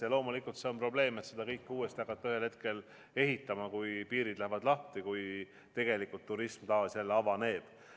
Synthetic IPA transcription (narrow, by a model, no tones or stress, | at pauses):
elo̞ːmulikːult̪se̞o̞npro̞ble̞ːmet̪se̞d̪ɑkɤjkːuːe̞st̪iɑkːˑɑt̪ːɑyhe̞lhe̞t̪̚ke̞l | e̞ɦit̪ːˑɑmɑkujpiːɾid̪̥læhvɑd̪lɑht̪ikuj | t̪e̞ɡ̥e̞likːˑult̪ːuɾismt̪ɑːsælːɑvɑne̞ːb̥